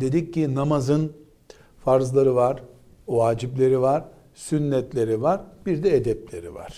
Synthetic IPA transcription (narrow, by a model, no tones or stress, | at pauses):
d̪e̞d̪ic̚ːinamazɯn | faɾzlˠaɾɯvaɾ | vaːd͡ʒiplʲe̞ɾivaɾ | synːɛt̪lʲe̞ɾivaɾbiɾd̪ɛed̪ɛp̚lʲe̞ɾḭva̰ɾ̥